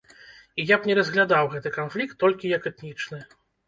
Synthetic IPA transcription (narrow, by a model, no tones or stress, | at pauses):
ijapnʲɛɾɐzɣlʲad̪awɣɛt̪ɨkanflʲikt̪ːɔlʲkʲijɐkɛt̪nʲit͡ʂnɨ